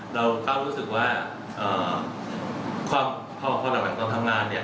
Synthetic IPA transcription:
ɾa˧wkaː˥˩w̚ɾuː˦˥sɯ˨˩k̚waː˥˩ | ʔɤː˨˩ | kʰwaː˧m | pʰɔː˧pʰɔ˧ɾa˨˩ma˨˩nt̪o˧nt̪ʰa˧˩ŋaː˧nːi˥˩ɐ

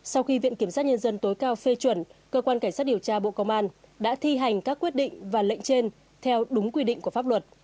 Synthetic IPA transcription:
sa˧wxi˧vḭ˧˨ənki˧˩əmsa˦˥t̚ɲə˧nzə˧nt̪o˨˦jkaː˧wfe˧t͡ɕwə˧˩nkəː˧kwaː˧nka˧˩ŋ̟saː˦˥t̚ɗi˨˩əwt͡ɕaː˧ɓo̰˧˨kə˧wŋ͡mʔaː˧nɗa̰ː˧˥t̪ʰi˧ɦa˨˩jŋ̟kaː˦˥kːwi˦˥t̚ɗḭ̈˧˨ŋ̟vaː˨˩lə̰˧˨jŋ̟t͡ɕe˧n | t̪ʰɛ˧wɗʊ˨˦ŋ͡mkwi˧ɗḭ˧˨ŋku˧˩əfa˦˥p̚wə˨˩t̚

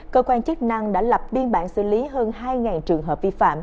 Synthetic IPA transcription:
kəː˧kwaː˧nt͡ɕɨ˦˥k̚na˧ŋɗa̰ː˧˥la˨˩p̚ɓi˧ənɓa̰ː˧˨nsɨ̰˧˩li˨˦ɦəː˧nɦaː˧jŋaː˨˩nt͡ɕɨ˨˩əŋɦəː˨˩p̚vi˧fa̰ː˧˨m

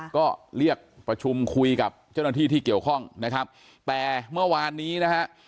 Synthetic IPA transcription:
kɔː˥˩ɾi˥˩ək̚pɾa˧t͡ɕʰu˧mkʰu˧jka˨˩p̚t͡ɕa˥˩wnaː˥t̪ʰiː˥˩t̪ʰiː˥˩ki˨˩əwkʰɔ˥˩ŋna˦˥kʰa˦˥p̚ | t̪ɛː˨˩mɯ˥˩ɐwaː˧nːiː˦˥na˦˥kʰa˦˥ʔ

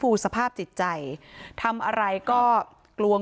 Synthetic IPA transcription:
fuː˧sa˧pʰaː˥˩p̚t͡ɕi˨˩t̪̚t͡ɕa˧jt̪ʰa˧mʔa˧ɾa˧jkɔː˥˩ | klu˧ə

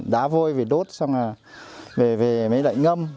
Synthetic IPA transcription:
ɗaː˨˦vo˧jveː˨˩ɗo˦˥t̚sa˧wŋ͡maː˨˩ | ve˨˩ve˨˩mə˨˦jla̰˧˨jŋə˧m

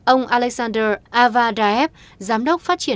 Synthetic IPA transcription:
ʔə˧wŋ͡mʔaː˧lɛ˧˥k̚zaː˧ndəː˧ʔaː˧vaː˧ɗaː˧ʔɛ˦˥p̚ | zaː˨˦mɗə˦˥k͡p̚faː˦˥t̚t͡ɕi˧˩ə˨

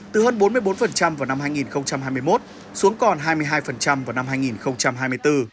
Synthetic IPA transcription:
t̪ɨ˨˩həː˧nɓo˨˦nmɨ˧jɓo˨˦nfə˨˩nt͡ɕa˧mvaː˨˩wna˧mɦaː˧jŋi˨˩nxə˧wŋ͡mt͡ɕa˧mhɦaː˧jm˧jmo˦˥t̚ | su˨˦əŋkɔ˨˩nɦaː˧jmɨ˧əjɦaː˧jfə˨˩nt͡ɕa˧mvaː˨˩wna˧mɦaː˧jŋi˨˩nxə˧wŋ͡mt͡ɕa˧mɦaː˧jmɨ˧jt̪ɨ˧

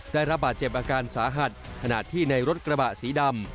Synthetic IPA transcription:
d̥aː˥˩jɾa˦˥p̚baː˨˩t̪̚t͡ɕe˨˩p̚ʔaː˧kaː˧nsaː˩˦ɦa˨˩t̪̚kʰa˧na̰˨˩t̪ʰːiː˥˩na˧jɾo˦˥t̪̚kɾa˧ba˨˩siː˩˦da˧m

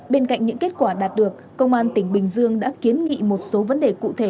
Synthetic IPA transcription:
ɓe˧nka̰˧˨jŋ̟ɲɨ̰˧˥ŋke˦˥t̚kwaː˧˩ɗaː˨˩t̚ɗɨ˨˩ək̚ːə˧wŋ͡mʔaː˧nt̪ï˧˩ŋ̟ɓï˨˩ŋ̟zɨ˧əŋɗa̰ː˧˥ki˨˦ənŋḭ˧˨mo˨˩t̚so˨˦və˨˦nɗe˨˩kṵ˧˨t̪ʰe˧˩

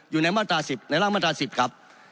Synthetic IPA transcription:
juː˨˩na˧˥jmaː˥˩t̪ɾaː˧si˨˩p̚na˧˥jlaː˥˩ŋma˥˩t̪ɾa˧si˨˩p̚kʰa˦˥p̚

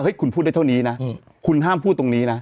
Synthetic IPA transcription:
hɤ˦˥jkʰu˧npʰu˥˩a˥˩a˥˩wniː˦˥na˦˥ | kʰu˧nɦaː˥˩mpʰuː˥˩t̪ːo˧ŋniː˦˥na˦˥

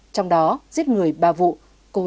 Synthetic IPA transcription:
t͡ɕɔ˧wŋ͡mɗɔ˨˦zi˦˥ət̚ŋɨ˨˩əjɓaː˨˩vṵ˧˨ | ko˧˩

